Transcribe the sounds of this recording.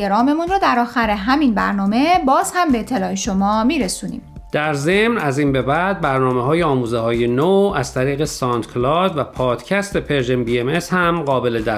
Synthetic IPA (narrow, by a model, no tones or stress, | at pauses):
eɾɒːme̞munrɒːd̪æɾɒːxæɾeɦæminbæ̰ɾnɒːme̞bɒːz̥hæmbe̞et̪ʰːe̞lɒːeʃomɒːmiɾesuːnḭːm | d̪̥æɾze̞mnæziːnbe̞bæd̪̚bæɾnɒːmeɦɒːjeɒːmuːzehɒːjenoæz̥t̪ʰæɾiːɣe̞sɒnt̪kʰlɒd̪væpʰɒːd̪̥cʰæst̪epʰeɾʒembiemeshæmɢɒːbe̞led̪æ